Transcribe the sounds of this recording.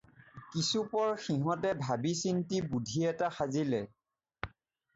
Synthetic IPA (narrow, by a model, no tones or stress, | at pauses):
kisupɔɹxiɦɔ̃tɛbʱabisintibudʱiɛtaxazilɛ